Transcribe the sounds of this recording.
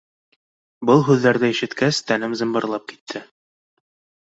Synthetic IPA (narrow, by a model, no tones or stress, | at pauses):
bɤlˠɦʉðːæɾðæiʃɘ̆t̪kæst̪ænɘmzɤ̆mbɤ̆ɾlˠɑp̚ki̥t̪ʰːɘ